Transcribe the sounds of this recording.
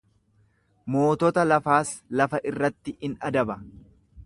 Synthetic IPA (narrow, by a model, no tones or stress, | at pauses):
mo̞ːt̪ɔt̪ɐlɐfaːslɐfɐʔɪrːɐt̪ːɪɪnɐd̪ɐbɐ